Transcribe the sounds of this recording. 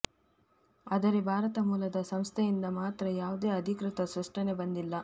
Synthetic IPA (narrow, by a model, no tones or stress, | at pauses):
ɐd̪ɐɾebʱaːɾɐt̪ɐmuːlɐd̪ɐsɐmst̪ʰejind̪ɐmaːt̪ɾɐjaːʋud̪e̞ːɐd̪ʱikɾɨt̪ɐsʋɐʂʈɐne̞bɐnd̪ilːɐ